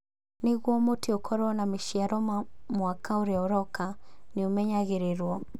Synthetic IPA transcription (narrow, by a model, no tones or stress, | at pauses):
neɣwɔmoteokʰɔɾɔnameʃiaɾɔmamwakaoɾeaoɾɔkaneomɛɲaɣeɾeɾwɔ